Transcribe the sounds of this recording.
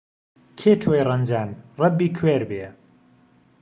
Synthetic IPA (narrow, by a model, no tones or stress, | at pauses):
kʰeːt̪ʰoːjrɐnd͡ʒaːnrˤɐbːiːkʰweːɾbeː